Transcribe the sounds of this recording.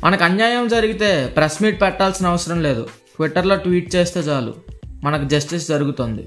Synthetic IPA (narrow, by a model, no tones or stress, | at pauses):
mʔɐnɐkɐnjaːjɐmd͡ʒɐɾiɡit̪e̞ːpɾɐsmiːʈ̚pɛʈːaːlsinɐʋɐsɐɾɐmle̞ːd̪ṵ | ʈʋiʈːɐɾloːʈʋiːʈ̚t͡ʃeːst̪e̞ːt͡ʃaːlṵmɐnɐkud͡ʒɐsʈisd͡ʒɐɾuɡut̪oːnd̪ḭ